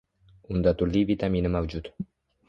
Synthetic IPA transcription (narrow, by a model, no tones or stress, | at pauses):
und̪ɑt̪uɾlivit̪ɑminəmɑwd͡ʑut̪